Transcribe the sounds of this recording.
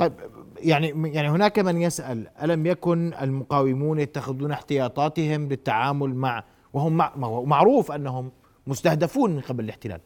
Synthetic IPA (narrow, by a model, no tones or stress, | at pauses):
t̪ˤɑjbjaʕnijaʕnihɪnaːkamɪnjɪsʔalʔalamjakʊna̰lmʊqɑːwɪmuːnjat̪ːaxɪd̪uːnaħt̪ɪjɑːt̪ˤɑːt̪ɪhɪmlɪt̪ːaʕaːmʊlmaʕ | wɪhʊmːamaʕɾuːfʔanːaɦʊmː | ʊst̪ahd̪afuːnmɪnqɑblɪlɪħt̪ɪla̰ːl